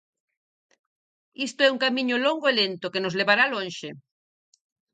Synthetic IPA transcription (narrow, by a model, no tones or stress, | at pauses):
ist̪oɛuŋkamĩɲoloŋɡoelent̪okenozleβaɾalõnʲʃe